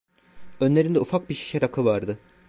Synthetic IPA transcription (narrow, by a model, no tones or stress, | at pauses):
ø̞nlʲe̞ɾind̪ɛufak̚biʃi̥ʃɛɾakʰɯvaɾd̪ɯ